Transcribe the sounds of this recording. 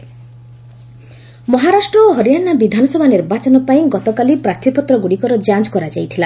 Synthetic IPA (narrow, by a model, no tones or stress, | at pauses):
mɔɦaɾasʈɾɔɦɔɾjanabid̪ʱanɔsɔbʱaniɾbat͡ʃɔnɔpaĩɡɔt̪ɔkalipɾaɾt̪ʰipɔt̪ɾɔɡuɽikɔɾɔd͡ʒat͡ʃkɔɾad͡ʒajt̪ʰila